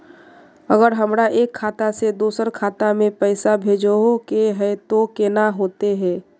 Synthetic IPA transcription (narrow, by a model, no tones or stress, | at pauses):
əɡəɾɦəmɾaʔeːkʰːaːt̪ased̪uːsəɾkʰaːt̪amẽpɛɪsabʱeːd͡ʒoɦokeɦɛt̪okeːnaɦoːt̪eɦɛ̃ː